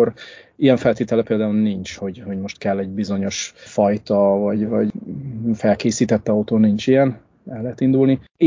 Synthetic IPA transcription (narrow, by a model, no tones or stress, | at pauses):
oɾijɛɱfɛlt̪eːt̪ɛlɛpeːld̪aːulnint͡ʃho̞ɟho̞ɟmo̞ʃt̪kɛlːɛɟbizo̞ɲo̞ʃfɒjt̪ɒvɒɟvɒɟfɛlkeːsiːt̪ɛt̪ːɒut̪oːnint͡ʃijɛn | ɛlːɛɦːt̪ind̪ulni